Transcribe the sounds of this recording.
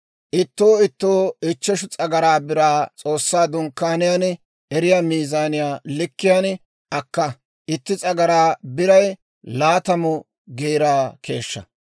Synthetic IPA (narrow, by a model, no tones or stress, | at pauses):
ʔɪt̪ːoːɪt̪ːoːɪt͡ʃːɛʃ̬ʊt͡sʼɐɡɐɾaːbɪɾaːt͡sʼo̞ːsːaːd̪ʊŋkːaːnɪjaːn | ɛɾɪjaːmiːzaːnɪjaːlɪkːɪjaːn | ʔɐkːɐ | ʔɪt̪ːɪt͡sʼɐɡɐɾaːbɪɾɐj | laːt̪ɐmʊ | ɡeːɾaːkʰe̞ːʃːɐ̰